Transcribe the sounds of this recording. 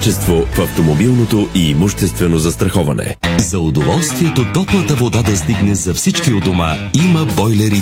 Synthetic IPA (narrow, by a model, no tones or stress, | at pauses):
t͡ʃɛst̪vofɐft̪omobilˠnot̪oʔiːmuʃt̪ɛst̪vɛnozɐst̪ɾɐxɔvɐnɛ̰zɐʊd̪ovɔlˠst̪viɛt̪ot̪ɔplˠɐt̪əvod̪ad̪ɐst̪iɡnɛzɐfsit͡ʃkiod̪oma̰imɐbɔjlɛɾi